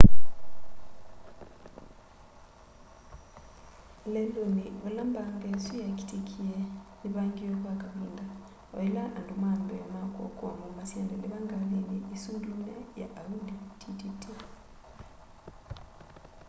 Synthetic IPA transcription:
leldoniolaːmbaŋɡesujaki̥tikʰieliβaːŋɡioβwakaβiːnda | oelaʔndumaːmbemakkuamumasjandeliβaŋɡaliliisunduneja̰ʔːuditʰititi

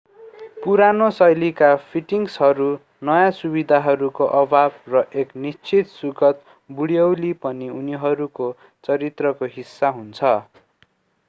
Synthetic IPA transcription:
puɾanosʌjlikapʰiʈiŋsɦʌɾu | nʌjãsubid̪ʱaɦʌɾukoʔʌbʱabrʌʔeknist͡sʰit̪suɡʌt̪ | buɽjʌwlipʌniuniɦʌɾuko | t͡sʌɾit̪rʌkoɦisːaɦunt͡sʰʌ

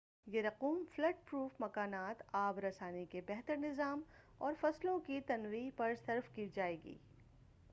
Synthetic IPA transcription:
jeɾɐquːmflɐʈ̚pɾuːfmɐkaːnaːt̪aːbɾɐsaːnikebɛɦt̪əɾnɪzaːm | ɔːɾfɐslõkit̪ɐnwiːɦpɐɾsɐɾfkiːd͡ʒaːeːɡḭː

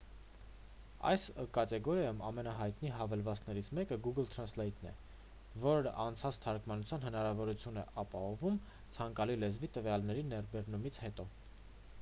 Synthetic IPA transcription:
ɑ̰jskɑt̪ɛɡɔɾjɑjumɑmɛnɑɦɑjt̪niɦɑvɛlvɑt͡snɛɾit͡sʰmɛkəɡuɡəlt̪ʰɾɑnslɛjt̪nɛ̰ | vɔɾəʔɑnt͡sʰɑt͡st̪ʰɑɾkmɑnut͡sʰjɑn̪hənɑɾɑvɔɾut͡sʰjunɛ̰ʔɑpɑhɔvum | t͡sʰɑŋkɑlilɛzvit̪əvjɑlnɛɾinɛɾbɛɾnumit͡sʰhɛt̪ɔ

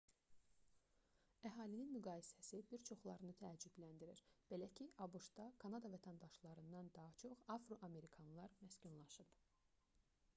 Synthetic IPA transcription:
æɦɑːlininmyɡɑːjisæsibiɾt͡ʃʰo̞χlˠɑɾɯnɯt̪ʰæːd͡ʒyblænd̪iɾiɾb̥e̞læcʰiʔɑbuʃt̪ɑkʰɑnɑd̪ɑvæt̪ʰænd̪ɑʃlˠɑɾɯnd̪ɑnd̪ɑɦɑt͡ʃʰo̞χɑfɾoʔɑme̞ɾikʰɑnlˠɑɾmæscunlˠɑʃɯb

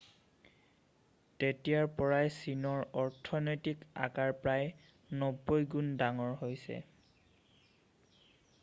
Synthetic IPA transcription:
tetijaɹpɔɹajsinɔɹɔɹtʰɔnojtika̰kaɹpɹaj | nɔbːojɡundaŋɔɹɦojsɛ̰

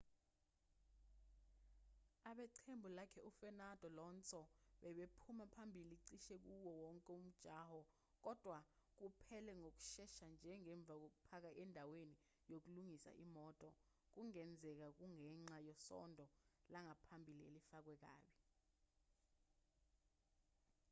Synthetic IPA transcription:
aɓɛǀʰembʱulakʰɛʔufɛnad̥ʱɔlɔnt͡sʰʼɔɓɛɓepʰumapʰambʱiliǀiʃɛk̬uwɔwɔŋkʼɛum̩d̥ʒ̥ʱaːhɔ | k̬ɔd̥ʱwak̬upʰɛlɛŋok̬u̥ʃɛʃand͡ʒʱɛŋɛɱb̪vʱak̬ok̬upʰak̬aʔɛndʱaweni | jok̬uluŋisa̰ʔimɔtʼɔ | k̬uŋɛnd͡zʱɛk̬ak̬uŋɛŋ͡ǁajɔsɔ̰ndʱɔlaŋapʰambʱilielifak̬wɛk̬a̰ːɓi

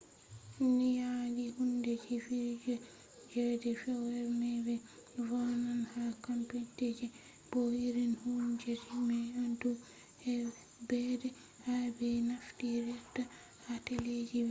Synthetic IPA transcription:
nijaɡihundɛd͡ʒifiɾd͡ʒɛ | d͡ʒɛdɛfɛwɛɾmɛbɛ | vananhakampitɛd͡ʒɛ | b̥ohiɾinhund͡ʒɛd͡ʒimɛadu | hɛ | bɛdɛ | habɛnaftiɾɛtːa | hatɛled͡ʒibɛ

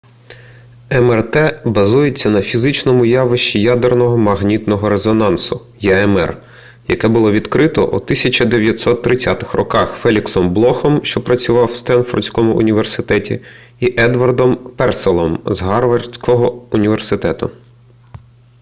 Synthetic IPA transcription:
ɛmɛrt̪ɛbɐzujet͡sʲːɐnɐfʲizɪt͡ʃnɔmʊjɑʋɪʃt͡ʃijɑd̪ernɔɦɔmɐɦnʲit̪nɔɦɔɾezɔnɑnsʊ | jɛɛmɛ̰r | jɐ̰kɛbʊlˠɔʋʲid̪kɾɪt̪ɔ̰ʔṵt̪ɪsʲɐt͡ʃɐd̪eʋʲjɐt̪ʲsɔt̪ːɾɪt͡sʲːat̪ɪ̥xrɔkɑxfɛlʲiksɔmblˠɔxɔmʃt͡ʃɔpɾɐt͡sʲʊʋɑwst̪ɛnfɔrʲsʲkɔmʊʔʊnʲiʋersɪt̪ɛtʲi | iʔɛd̪ʋɐrd̪ɔmpɛrselˠɔmzɦɑrʋɐrsʲkɔɦɔʊnʲiʋersɪt̪ɛt̪ʊ

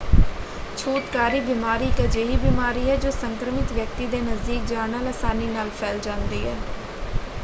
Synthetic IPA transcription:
t͡ʃʰuːt̪kaːɾiːbɪmaːɾiːkəd͡ʒeːɦiːbiːmaːɾiːɦɛːd͡ʒoːsəŋkɾəmɪt̪ʋjək̚t̪iːd̪eːnəzd̪iːk̚d͡ʒaːnaːləsaːniːnaːlpʰɛːld͡ʒãːnd̪iːɦɛː

